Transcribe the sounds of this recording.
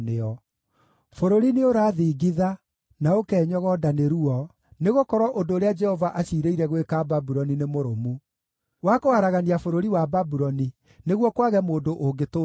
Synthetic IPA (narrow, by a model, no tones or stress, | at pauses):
neɔ | foɾoɾineoɾaːðiːɡiða | naokɛːɲɔɣɔdaneɾuɔ | neɣokɔɾɔʔondoːɾead͡ʒɛhɔvaʔaɕiːɾeiɾɛɣwekababuɾɔninemoɾomu | wakohaɾaɣaniafoɾoɾiwababuɾɔni | neɣwɔkwaɣɛmoːndoʔoɡeto